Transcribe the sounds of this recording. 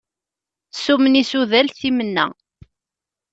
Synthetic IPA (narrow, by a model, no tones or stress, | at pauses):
sumənisuðælθimənːæ̰